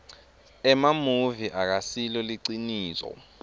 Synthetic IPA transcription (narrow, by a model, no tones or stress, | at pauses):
ɛmamuviʔak̬asilɔliǀiniːsɔ̰